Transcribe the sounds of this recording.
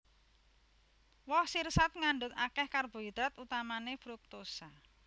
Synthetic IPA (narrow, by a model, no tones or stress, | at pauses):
wɔhsirsat̪̚ŋanɳɖʊt̪akɛhkarb̥o̤id̪ɾat̪ut̪amanefɾuk̚t̪osa